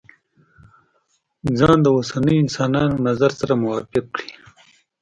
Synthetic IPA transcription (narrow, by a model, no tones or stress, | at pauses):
d͡zɑːnd̪əwosanəjɪnsɑːnɑnonazaɾsaɾamʊwɑfɪk̚kɽi